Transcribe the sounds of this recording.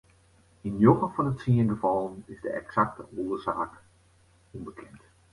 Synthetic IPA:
injoɣəfɔnətsiənɡəfɑlˠənɪzdəʔɛ̰ksak̚təʔoːəzaːk | umbəkʰɛnt

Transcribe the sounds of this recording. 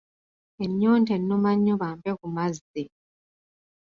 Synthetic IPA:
eɲːoːnte̞nːomaɲːoβaːmpekumazːi

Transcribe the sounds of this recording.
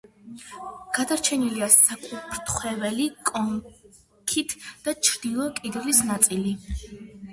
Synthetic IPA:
ɡ̥ad̪aɾt͡ʃʰɛniliasakʼupʰɾt̪ʰχwɛvɛlikʼɔm | kʰit̪ʰd̪̥at͡ʃʰɾd̪̥ilˠɔkʼid̪lisnat̪sʼili

